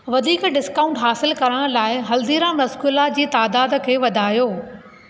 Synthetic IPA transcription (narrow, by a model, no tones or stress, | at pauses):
ʋɐd̪ʱiːkɖɪskaːʊ̃ɳʈɦaːsɪlkɐɾəɽ̃laːɪɦɐld̪iːɾãmɐskulad͡ʑiːt̪aːd̪aːd̪kʰeːʋɐd̪ʱaːjoː